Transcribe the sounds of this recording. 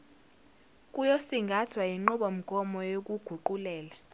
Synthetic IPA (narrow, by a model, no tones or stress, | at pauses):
kʼujosiŋɡʱatʰwajiŋ͡ǃɔɓɔm̩ɡ̥ʱɔmɔjok̬ʼuɡ̥ʱuǃulɛːla